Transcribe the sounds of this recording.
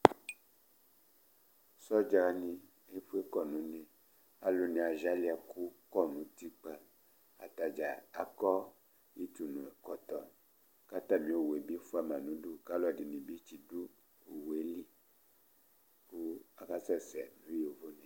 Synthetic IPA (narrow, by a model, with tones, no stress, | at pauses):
sɔ˦d͡ʒa˧nĩ˧ | e˦ɸu˦e˦kɔ˦˨nũ˨˦nẽ˨ | a˨lo˦nĩ˨a˨ʒa˦li˦a˨ku˦kɔ˦˨nũ˨˦ti˦k͡pa˦ | a˨t̪a˨d͡ʒa˨a˦kɔ˦ | i˦t͡ʃu˨nũ˨e˨kɔ˨t̪ɔ˨ | ka˦t̪a˦˨mĩ˨˦o˦˨we˨bi˦fu˦a˨mã˨nũ˨˦du˦ka˦lɔ˦˨di˨nĩ˨bi˦t͡ʃi˨du˦ | o˨we˦li˦ | ku˦a˦ka˦sɛ˦˨sɛ˨nũ˨˦jo˨vo˦nɛ̃˨